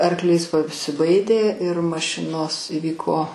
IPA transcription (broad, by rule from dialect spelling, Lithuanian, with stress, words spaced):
ɐrˈklʲiːs pɐsʲɪˈbɐɪdʲeː ɪr mɐˈʃʲɪnoːs ɪˈʋʲiːkoː